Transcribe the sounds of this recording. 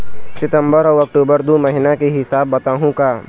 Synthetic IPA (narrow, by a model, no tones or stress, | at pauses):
sɪt̪ə̃mbəɾɔːɐk̚ʈoːbəɾd̪oːmɐɦɪnakeɦɪsaːbːɐt̪aːɦũkaː